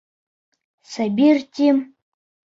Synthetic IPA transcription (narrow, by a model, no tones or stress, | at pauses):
sabʲirtʲim